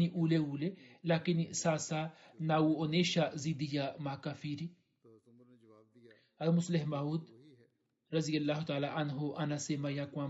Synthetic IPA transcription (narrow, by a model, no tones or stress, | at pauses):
iʔuːleuːlelaːkinisaːsa | naːuoneːʃazid̪ijamaːkafiːɾi | ɐlmʊslɪɦmaːuːd̪ | ɾɐzijɐlːaːɦut̪aːlaʔɐnɦoʔɐnɐsemɐjakwãː